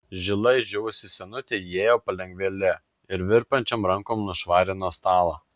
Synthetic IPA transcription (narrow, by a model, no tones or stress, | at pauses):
ʒʲɪlˠɐɪʒʲɛʋʊsʲɪsʲɛnʊt̪ʲejeːjoːpɐlʲɛŋʲɡʲʋʲelʲɛ | ɪɾʋʲɪɾpɐnʲt͡ʃʲɛmɾɐŋkoːmnʊʃʋɑːɾʲɪnoːst̪ɑːlˠo